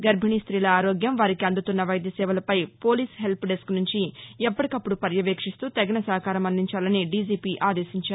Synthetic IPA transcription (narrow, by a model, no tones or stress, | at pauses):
ɡɐɾbʱiɳist̪ɾiːlɐaːɾoːɡjɐmʋaːɾikiɐnd̪ut̪unːɐʋɐjd̪jɐsɛːʋɐlɐpɐjpo̞ːliːsɦe̞lpɖesknuɲt͡ʃiɛpːɐʈikɐpːuɽupɐɾjɐʋeːkʂist̪uːt̪ɐɡinɐsɐɦɐkaːɾɐmɐnd̪iɲt͡ʃaːlɐniɖiːd͡ʒiːpiʔaːd̪eːsiɲt͡ʃaːɾu